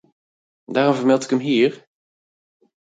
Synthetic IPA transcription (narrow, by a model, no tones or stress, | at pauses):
daːrɔmvəɹmɛlˠtɪ̥kəmɦiːɹ